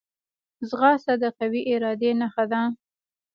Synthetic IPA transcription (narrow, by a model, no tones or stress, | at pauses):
zɣɑsad̪əqawiʔɪɾɑd̪enaxad̪a